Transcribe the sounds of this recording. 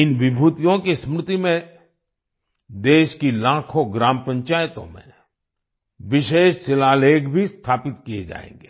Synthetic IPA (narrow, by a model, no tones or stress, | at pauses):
ɪnʋɪbʱuːt̪ijõkesmɾʊt̪imẽ | d̪eːʃkilãːkʰoɡɾaːmpɐ̃ɲt͡ʃaːjt̪õ̰mḛ̃ | ʋɪʃeːʃsɪlaːleːkbʱist̪ʰaːpɪt̪kijḛd͡ʒa̰ːḛ̃ːŋɡeː